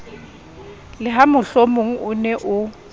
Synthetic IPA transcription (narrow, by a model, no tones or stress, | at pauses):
lɪɦamʊɬomʊŋ̩ʊnɛʔʊ